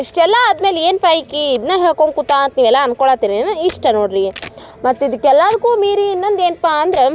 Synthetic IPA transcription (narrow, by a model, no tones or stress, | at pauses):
iʂʈɛlːaːd̪me̞ːleːnpaːjikːiːd̪neːɦeːkoɳkut̪ːaɐnt̪niːʋɛlːaɐnkoɭaːt̪iːnenɐiʂʈɐnoːɖɾi | mɐt̪ːid̪ikːɛlːaːd̪ɐkuːmiːɾiːnːond̪eːnpaːɐnd̪ɾe